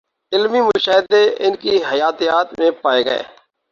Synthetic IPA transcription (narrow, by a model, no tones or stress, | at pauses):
ɪlmiːmʊʃaːɦɪd̪eɪnkiɦəjaːt̪ijaːt̪mẽpaːeːɡə̰ḛː